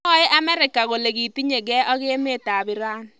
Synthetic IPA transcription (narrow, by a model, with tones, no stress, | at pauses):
ɔ˦ɪ˦ʔa˦mɛ˦ɾɪ˨ka˨ɣo˨le˨ɣi˨ti˦ɲe˨ɡɛ˦ʔɔ˦ɣe˦me˦ta˨bɪ˦ɾa˦n